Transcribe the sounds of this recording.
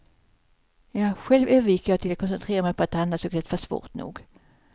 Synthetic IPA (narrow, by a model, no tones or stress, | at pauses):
jɑːɧɛlvøːvəɾjɪkːjɑɡt̪ʰɪlat̚kʰɔnsɛnt̪ʰɾeːɾamɛjpʰɔat̪ːanːat̪sɔɡk̪ɛt̪fœʂv̥o̰ːʈnṵːɡ